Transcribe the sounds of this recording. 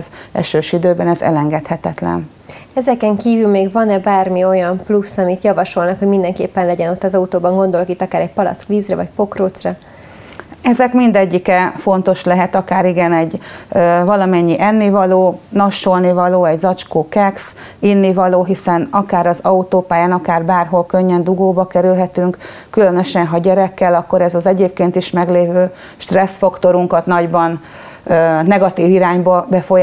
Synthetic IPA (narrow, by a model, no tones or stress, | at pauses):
zɛ̰ʃøːʃid̪øːbɛnɛzɛ̰lɛŋɡɛt̪hɛt̪ɛt̪lɛ̰n | ɛzɛkɛŋkiːvylmeːɡvɒnɛbaːrmio̞jɒmplusːɒmit̪jɒvɒʃo̞lnɒkhoɟmind̪ɛŋkḛːpːɛnlɛɟɛno̞t̪ːɒzɒut̪oːbɒŋɡo̞nd̪o̞lokit̪ːɒkaːɾɛc̚pɒlɒ̰t̪skʋiːzrɛvɒ̰cpo̞kroːt̪srɒ | ɛzɛkmind̪ɛɟːikɛfo̞nt̪o̞ʃlɛɦɛt̪ɒkaːɾiɡɛnɛɟ | vɒlɒmɛɲːiʔɛnːivɒloːnɒʃːolnivɒloːɛɟzɒt͡ʃkoːkɛksinːivɒloːɦisɛnɒkaːɾɒzɒut̪oːpaːjaːnɒkaːrbaːrɦo̞lkø̞ɲːɛnd̪uɡoːbɒkɛɾylɦɛt̪yŋk | kylø̞nø̞ʃɛnɦɒɟɛɾɛkːɛlɒkːo̞ɾɛzɒzɛɟeːp̚keːnt̪iʃmɛɡleːvøː | ʃt̪rɛsfɒkt̪o̞ɾuŋkɒt̪nɒɟbɒnː | nɛɡɒt̪iːviɾaːɲbɒbɛfoj